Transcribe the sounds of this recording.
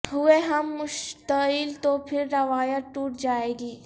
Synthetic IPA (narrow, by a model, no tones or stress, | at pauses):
ɦʊeɦɐmːʊʃt̪əɪlt̪opʰɪɾːɐʋaːjəʈuːʈd͡ʒaːeːɡiː